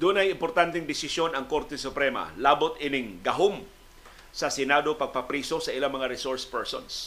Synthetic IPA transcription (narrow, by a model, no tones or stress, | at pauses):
d̪ʊnɐjɪmpoɾt̪ant̪ɛŋd̪ɪsɪsjo̞nɐŋko̞ɾt̪ɛsʊpɾɛmɐ̰laːbot̪ɪnɪŋɡɐɦom | sɐsɛnaːd̪opɐɡ̚pɐpɾiːso̞sɐʔɪlaŋmɐŋaɾɛsoɹspɛɹso̰ns